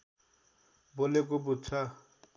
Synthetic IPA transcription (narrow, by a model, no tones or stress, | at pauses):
bolekobudt͡sʰa